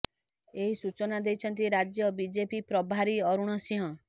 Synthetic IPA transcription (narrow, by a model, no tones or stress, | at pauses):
eɦisut͡ʃɔnad̪ejt͡ʃʰɔnt̪̬iɾad͡ʒjɔbid͡ʒepipɾɔbʱaɾiɔɾuɽ̃ɔsĩɦɔ̃